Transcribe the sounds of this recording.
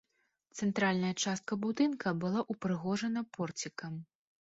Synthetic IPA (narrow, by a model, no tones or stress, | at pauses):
t̪sɛnt̪ɾalʲnɐjɐt͡ʂast̪̚kɐbud̪ɨnkʰɐbɨlˠaʔupɾɨɣɔʐɐnɐpɔrt͡sʲikɐm